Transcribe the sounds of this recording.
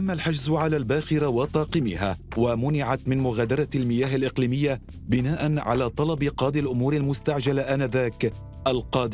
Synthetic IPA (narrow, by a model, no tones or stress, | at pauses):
ʔamːalħad͡ʒzʕalaːlbaːxɪɾawɑt̪ˤɑːqɨmɪ̰haːwamʊnɪʕat̪mɪnmʊɣaːd̪ɑɾˤɑlmɪjaːɦalʔɪqliːmɪjːa | bɪnaːʔanʕa̰laːt̪ˤɑlɑbɪqɑːd̪ɪlʔʊmuːɾalmʊst̪aʕd͡ʒalaʔanaːðaːk | ʔalqɑːd̪ɪ